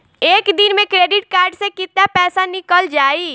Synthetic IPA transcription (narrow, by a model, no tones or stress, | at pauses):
eːkd̪inmẽkɾeːɖɪʈ̚kaːɾɖsẽkɪt̪napɛːsanɪkəld͡ʒaːi